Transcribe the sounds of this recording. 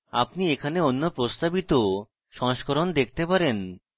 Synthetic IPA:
a̰pniekʰaneonːopɾost̪abit̪o | ʃɔŋʃkoɾond̪ek̚ʰt̪epaɾen

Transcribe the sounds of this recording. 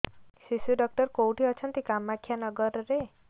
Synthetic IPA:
sisuɖɔk̚ʈɔɾkowʈiɔt͡ʃʰɔnt̪ikamakʰːjanɔɡɔɾɔɾe

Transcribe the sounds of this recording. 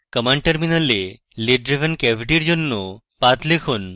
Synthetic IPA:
kəmaɳʈəɾminəle | leɖɾeʋʱənkɛbʱiʈiɾd͡ʑonːo | pat̪lekʰon

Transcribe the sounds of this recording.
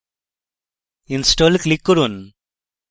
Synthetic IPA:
insʈoːlklikːuɾun

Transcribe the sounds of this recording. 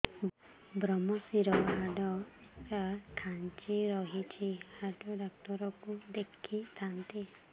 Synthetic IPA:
bɾɔmɔsiɾɔɦaɖɔkakʰant͡ʃiɾɔɦit͡ʃʰihaɖɔɖɔk̚t̪ɔɾɔkud̪ekʰit̪ʰant̪i

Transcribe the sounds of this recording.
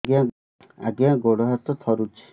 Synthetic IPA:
ɡã | a̰ɡãɡoɽɔɦat̪ɔt̪ʰɔɾut͡ʃʰi̥

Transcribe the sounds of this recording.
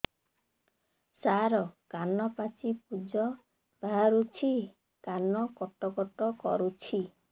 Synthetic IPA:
saɾɔkanɔpat͡ʃip̚ud͡ʒɔ | baɾut͡ʃʰi | kanɔkɔt̪ɔkɔt̪ɔkɔ̰ɾut͡ʃʰi

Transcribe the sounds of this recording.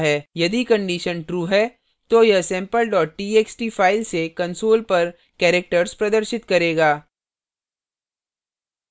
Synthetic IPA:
ɦɛːjɐd̪ikɐ̃ɳɖiːʃənʈɾuːɦɛː | t̪ojɐsɛ̃ːmpəlɖɔːʈ̚ʈiːeːksʈiːfʰaːɪlsekɐ̃nsoːlpɐɾ | kɛːɾek̚ʈəɾspɾɐd̪əɾʃɪt̪kɐɾeːɡaː

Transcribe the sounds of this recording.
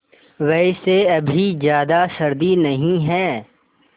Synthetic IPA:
ʋɛseɐbʱizjaːd̪asɐɾd̪inɐɦĩɦɛː

